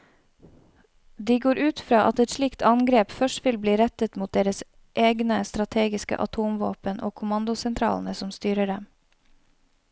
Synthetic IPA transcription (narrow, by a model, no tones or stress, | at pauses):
d̪iːɡoːɾʔʉːt̪fɾɑːʔɑt̪ɛt̪ʃɭikt̪ʰɑŋɡɾeːpfœʃʈʋɪlbliːɾɛt̪ət̪muːt̪̚d̪eːɾəs | ʔeːɡnəst̪ɾɑt̪ʰeːɡɪskə̰ʔɑt̪ʰuːmʋo̰ːpənʔoːkʰʊmɑnd̪ʊsɛnt̪ʰɾɑ̰ːln̩əsɔmst̪yːɾəɖɛm